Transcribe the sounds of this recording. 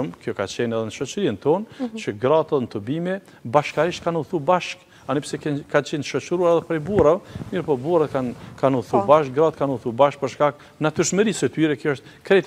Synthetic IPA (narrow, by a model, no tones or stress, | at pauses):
əmkjɔkat͡ɕɛnɛðɛnəʃɔt͡ʃəɾint̪ɔnt͡ɕəɡɾat̪ɛðɛnət̪əbimɛ | baʃkaɾiʃt̪̚kanuθubaʃk | anipsɛkɛnkat͡ɕɛnʃɔt͡ʃɾuaɾɛðɛpɾɛjbuɾamiɾpɔbuɾat̪kankanuθubaʃk̚ɡɾat̪̚kanuθubaʃk̚pəɾʃkak | nat̪yɾʃməɾisɛt̪yɾɛkjɔɔʃt̪ | kɾɛt̪